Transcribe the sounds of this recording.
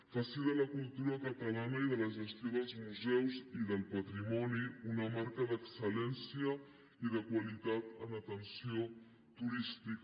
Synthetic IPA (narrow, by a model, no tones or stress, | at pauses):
fasiðələkulˠt̪uɾəkət̪əlanəiðələʒəst̪joðəlˠzmuzɛwziðəlˠpət̪ɾimɔniunəmaɾkəðəksəlɛnsiə | iðəkwəlit̪at̪ənət̪ənsio | t̪uɾist̪ik